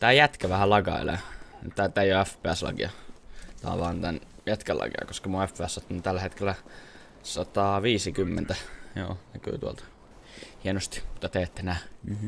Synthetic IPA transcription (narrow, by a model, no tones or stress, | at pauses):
t̪æːjæt̪kæʋæhællɑɡɑ̰ḛlḛnt̪ːæt̪æjoæfpˑeæslɑ̰kḭɑt̪ɑ̰ːʋɑːnt̪æn | jæt̪kælʔɑ̰kḭɑ̰koskɑmuæfpeæsːɑt̪ːunit̪ælːæhet̪kelːæ | sɑt̪ɑːʋiːsikymːent̪æjo̰ːnæky̰ːt̪uo̰lt̪ɑ̥ | hienost̪i̥mu̥t̪ːɑt̪eːt̪ːenæː